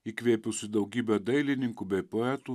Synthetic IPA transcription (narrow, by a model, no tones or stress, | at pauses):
iːkʋʲeːpʲʊsʲɪd̪ɒʊɡʲiːbʲɛd̪ɐɪlʲɪnʲɪŋkubʲɛɪpɔɛt̪uː